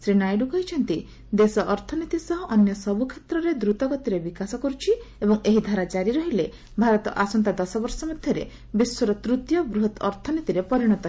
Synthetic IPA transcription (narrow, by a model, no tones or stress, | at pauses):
sɾinajɖukɔɦit͡ʃʰɔnt̪i | d̪esɔʔɔɾt̪ʰɔnit̪isɔɦɔʔɔnjɔsɔbukʰet̪ɾɔɾed̪ɾut̪ɔɡɔt̪iɾebikasɔkɔɾut͡ʃʰiebɔŋeɦid̪ʱaɾad͡ʒaɾiɾɔɦile | bʱaɾɔt̪ɔ̰ʔasɔnt̪ad̪ɔsɔbɔɾsɔmɔd̪ʱjɔɾḛ | biswɔɾɔt̪ɾut̪jɔbɾuɦɔt̪ɔɾt̪ʰɔnit̪iɾepɔɾiɽ̃ɔt̪ɔ